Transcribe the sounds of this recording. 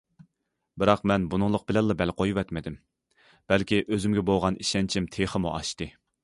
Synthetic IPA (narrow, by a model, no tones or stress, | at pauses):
bɨɾɑqmɛnbunɨŋlˠəq̚b̥ɪlɛnlˠɑbɛlqʰojwɛt̪mɪd̪ɪm | b̥ɛlkʲiʔøzymɡʲɛbolˠʁɑnʔiʃɛnt͡ʃʰimt̪ʰeχəmuʔɑ̰ʃt̪ɨ